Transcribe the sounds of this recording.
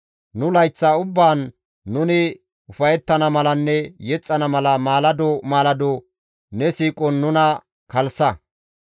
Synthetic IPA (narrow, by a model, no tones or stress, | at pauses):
nʊlɐjt͡sːaʊbːaːnː | ʊnɪ | ʊfɐjɛt̪ːɐnɐmɐlɐnːɛjɛt͡sʼːɐnɐmɐlɐmaːlɐd̪ɔmaːlɐd̪o | nɛsiːkʼɔnːʊnɐ | kɐlsɐ